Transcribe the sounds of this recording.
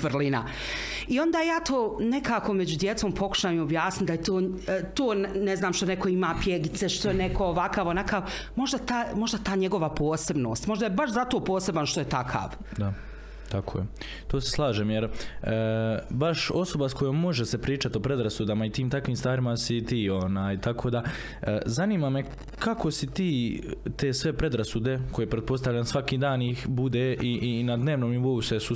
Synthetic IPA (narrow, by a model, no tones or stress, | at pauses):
ʋrlina̰ | io̞nd̪aːjaːt̪oːne̞kaːko̞med͡ʑud̪je̞t̪soːmpʰo̞ku̥ʃaːjmuobjaːsnit̪̚d̪ajet̪oːt̪oːnneznaːmʃt̪o̞neko̞imaːpjeɡit̪se̞ʃt̪ojenekooʋakaːʋonakaʋmo̞ʒd̪at̪amo̞ʒd̪at̪aːɲe̞ɡo̞ʋapʰoːse̞bno̞ːst̪mo̞ʒd̪ajebaʃzat̪o̞ːpo̞ːse̞banʃt̪oje̞t̪akʰa̰ːʋ | d̪a | t̪akʰo̰ːje | t̪o̞ːseslˠaːʒeːmjeɾ | baʃo̞so̞basko̞joːmːo̞ʒese̞pɾiːt͡ʃat̪io̞pɾe̞d̪ɾasud̪amait̪iːmt̪akʋiːmst̪aːɾimasit̪iːo̞naːjt̪akʰo̞ːd̪a | zaniːmame̞ | kako̞sit̪iːt̪e̞ːsʋe̞pɾe̞d̪ɾasud̪e̞ko̞jeepɾet̪po̞st̪alʎansʋakiːd̪aːniːxbud̪eːʔiʔinad̪ne̞ːʋnoːmniʋo̞usesu